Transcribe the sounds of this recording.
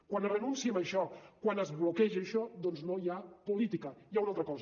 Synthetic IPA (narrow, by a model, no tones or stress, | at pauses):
kwanrənunsiəməʃɔkwanəzβlukɛʒəʃɔd̪ɔnznojapulit̪ikəjaunalˠt̪ɾəkɔz